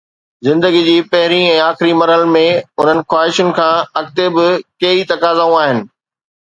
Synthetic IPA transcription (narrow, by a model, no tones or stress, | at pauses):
zɪ̃nd̪əɡid͡ʑiːpɐɦɪɾiɛ̃ːaːxɪɾimɐɾɦəlmẽʊn̤ənɪ̆xwaːɦɪʃʊnɪ̆kʰãːɐkt̪ebɪkɐit̪ɐkaːzaːũaːɦɪnɪ̆